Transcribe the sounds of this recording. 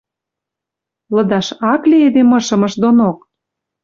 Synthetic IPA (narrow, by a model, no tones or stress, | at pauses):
lɤ̆d̪ɑʃɑkleed̪emɤ̆ʃɤ̆mɤ̆ʃd̪onok̚